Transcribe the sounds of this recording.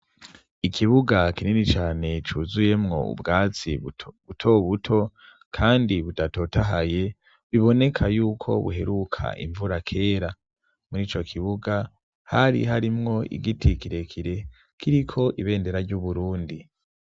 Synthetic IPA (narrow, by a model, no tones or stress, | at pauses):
ikʰiβuɡakininit͡ʃaːne̞t͡ʃuzuje̞mŋo̞̰ṵbɡaːt͡sḭβutʰo̞βutʰo̞ | kʰaːndiβutato̞taɦaje̞ | βiβo̞ne̞kʰajuːkʰo̞̰βṵɦe̞ɾukʰa̰ʔḭɱvuɾakʰe̞ːɾa | muɾiːt͡ʃo̞kʰiβuɡa | haɾḭɦaɾimŋo̞ḭɡitʰikiɾe̞kʰiɾe̞ | kʰiɾikʰo̞ʔiβe̞ːnde̞ɾaɾɟuβuɾuːndi